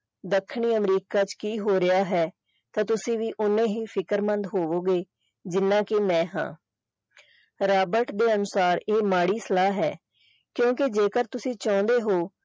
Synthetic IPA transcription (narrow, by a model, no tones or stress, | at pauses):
d̪əkʰːɳiːəmɾiːkaːt͡ʃkiːɦoːɾɪjaːɦɛː | t̪ãːt̪ʊsĩːʋiːʔʊnːẽːɦiːpʰɪkəɾmənd̪ɦoːʋoːɡeː | d͡ʒɪnːãːkeːmɛ̃ːɦã̰ː | ɾaːbəɾʈd̪eːənʊsaːɾeːmaːɽiːsəlaːɦɛ̰ː | kjõːkɪd͡ʒeːkəɾt̪ʊsĩːt͡ʃɔ̃ːnd̪eːɦoː